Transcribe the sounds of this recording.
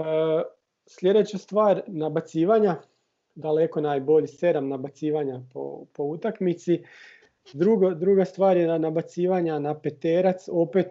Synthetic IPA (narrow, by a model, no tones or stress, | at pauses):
sʎʲe̞d̪e̞t͡ɕast̪ʋaːɾʲnabat̪siːʋaɲa | d̪aleko̞naːjbo̞ʎise̞d̪amnabat̪siːʋaɲapo̰po̞ut̪akmit̪si | d̪ɾuɡod̪ɾuɡast̪ʋaːɾjenanabat̪siːʋaɲanapet̪eːɾat̪so̞pet̪